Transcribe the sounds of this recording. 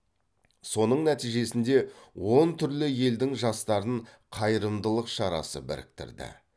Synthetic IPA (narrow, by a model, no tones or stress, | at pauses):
so̞nəɴnæt̪ijʒe̞sɪnd̪e̞wo̞nt̪ʰʏɾlɪje̞ld̪ɪŋʒɑst̪ɑɾəɴ | qʰɑjɾəmd̪əlˠəqʃɑɾɑ̰sə̰bɪ̰ɾɪ̰k̚t̪ɪ̰ɾd̪ɪ̰